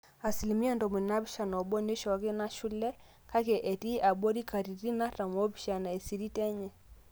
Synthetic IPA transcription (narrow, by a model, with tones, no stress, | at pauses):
a˨si˨li˨mi˦a˦ndɔ˨mu˨na˦βi˦ʃa˨nɔ˨ɓɔ˦ne˦ʃɔ˨a˨kɛ˦na˦ʃu˦lɛ˦ | ka˦kɛ˨ʔɛ˨ti˦ʔa˨ɓɔ˦ɾi˦ka˨ɾi˨ɾi˦na˦ta˨m˨ɔ˦bi˨ʃa˨na˨ɛ˨si˨ɾi˦tɛ˦ɲɛ˨